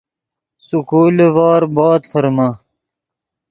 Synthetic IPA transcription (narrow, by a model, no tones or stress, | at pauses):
sukuːlevɑːɾbɑːt̪fəɾma